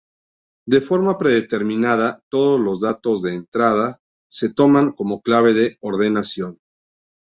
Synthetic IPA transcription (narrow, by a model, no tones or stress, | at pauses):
d̪e̞fo̞ɾmapɾe̞ðet̪e̞ɾmĩnaðat̪o̞ð̞o̞zlo̞zðat̪o̞zðe̞ːnt̪ɾað̞a | se̞t̪o̞maŋko̞mo̞klaβ̞e̞ðe̞o̞ɾðe̞nasjo̞n